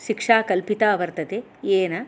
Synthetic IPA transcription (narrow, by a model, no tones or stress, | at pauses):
ʃikʂaːkɐlpit̪aːʋɐɾt̪ɐt̪e | eːnɐ